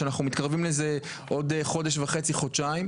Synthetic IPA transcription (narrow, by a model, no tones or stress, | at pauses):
anaχnumit̪kaʁvimleze | ʔo̞deχo̞deʃvaχe̞t͡siχodt͡ʃaim